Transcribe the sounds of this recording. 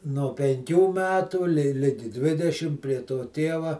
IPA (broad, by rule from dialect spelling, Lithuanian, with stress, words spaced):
noː pʲɛŋʲˈkʲuː ˈmʲæːtuː lʲɪ ˈlʲɪɡʲɪ ˈdʲʋʲɪdʲɛʃʲɪm pʲrʲiɛ toː ˈtʲeːʋɐ